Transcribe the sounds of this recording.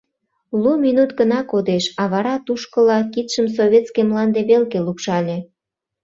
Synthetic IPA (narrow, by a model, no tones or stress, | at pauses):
luminut̪ɡənɑkod̪eʃɑβɑɾɑt̪uʃkəlɑkit̪ʃəms̬oβʲet̪skemlɑnd̪eβelɣelukʃɑlʲe